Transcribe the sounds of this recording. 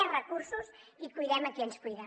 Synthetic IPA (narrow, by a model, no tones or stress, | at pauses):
ɛ̃rɐkuɾsuzikujðɛmɐkẽnkujðɐ